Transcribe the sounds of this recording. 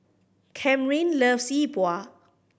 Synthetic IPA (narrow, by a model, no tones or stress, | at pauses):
kʰɛ̃mɹĩnləfsibwa